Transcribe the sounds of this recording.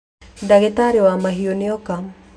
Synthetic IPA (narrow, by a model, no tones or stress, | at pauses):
daɣetaɾewamaɦioneɔka